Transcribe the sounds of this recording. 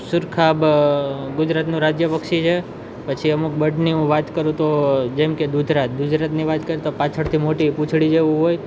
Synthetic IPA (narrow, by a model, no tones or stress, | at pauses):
sʊɾkʰab | ɡʊd͡ʒɾat̪nũɾad͡ʒjəpəkʃit͡ʃʰe | pət͡ʃʰiəmuk̚bəɖniɦũʋat̪kəɾũt̪od͡ʒemked̪ud̪ʱɾat̪̚ɡ̪ʊd͡ʒɾat̪niʋat̪kəɾit̪opãt͡ʃʰəɽt̪ʰimoʈipũt͡ʃʰɽid͡ʒeʋũɦoj